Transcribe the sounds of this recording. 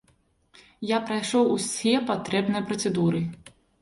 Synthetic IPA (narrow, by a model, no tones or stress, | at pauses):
japɾajʂɔwusʲɛpat̪ɾɛbnɨjɐpɾɐt̪sɛd̪uɾɨ